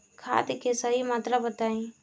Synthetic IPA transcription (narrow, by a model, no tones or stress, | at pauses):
kʰa̰ːd̪kesəɦimaːt̪ɾabət̪aːĩː